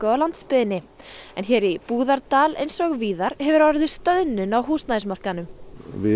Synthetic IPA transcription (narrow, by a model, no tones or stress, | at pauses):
kœlant̪spɪðɪnːɪ | ɛ̰nçɛːɾipuːðaɾt̪aːlḛjnsɔɣviːðaɾ̥hɛvʏɾvaɾɪðɪst̪œðnʏnawɦuːsnajs̬mar̥kanʏmvɪ